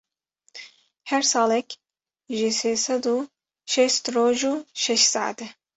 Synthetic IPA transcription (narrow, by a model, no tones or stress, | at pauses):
hɛɾsɑːlɛkʲ | ʒiseːsɑd̪u | ʃɛst̪ɾoːʒuːʃɛʃsɑ̰ːa̰d̪ɛ